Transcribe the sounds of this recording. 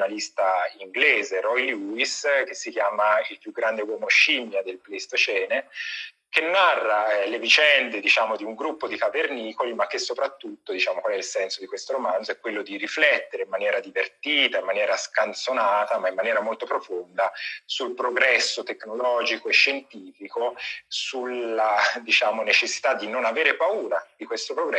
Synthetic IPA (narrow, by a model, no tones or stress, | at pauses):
nalist̪aiŋɡleːzeɾɔjluisk̟esːik̟jaːmailpjuɡːɾand̪ewɔmoʃimjad̪elpleist̪ot͡ʃɛːne | k̟enːarːaɛlevit͡ʃɛnd̪ed̪it͡ʃaːmod̪iuŋɡɾupːod̪ikaverniːkolimak̟ːesːopɾat̪ːut̪ːod̪it͡ʃaːmokwalɛilsɛnsod̪ikwest̪oɾomand̪zoɛkːwelːod̪iɾiflɛt̪ːeɾeimːanjɛːɾad̪ivert̪iːt̪aimːanjɛːɾaskant̪sonaːt̪amaimːanjɛːɾamolt̪opɾofond̪asulpɾoɡɾɛsːot̪ekːnolɔːd͡ʒikoeʃːent̪iːfikosulad̪it͡ʃaːmonet͡ʃesːi̥t̪ad̪ːinonaveːɾepauːɾad̪̥ikwest̪opɾoɡɾɛ